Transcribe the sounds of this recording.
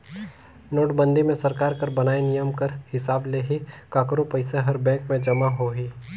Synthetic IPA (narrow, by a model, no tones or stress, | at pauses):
noːʈbə̃nd̪ʱimẽsɐɾkaːɾkɐɾbɐnaːenijəmkəɾhɪsaːbleːɦikaːkɾopɐɪseɦɐɾbɛ̃ːŋkmẽd͡ʒɐmaɦoːɦiː